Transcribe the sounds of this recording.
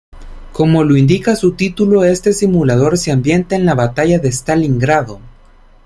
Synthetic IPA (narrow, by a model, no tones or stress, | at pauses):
ko̞mo̞lo̞ind̪ikasut̪it̪ulo̞e̞st̪e̞simulað̞o̞ɾseambje̞nt̪eːnlaβat̪aʝaðe̞st̪aliŋɡɾaðo̞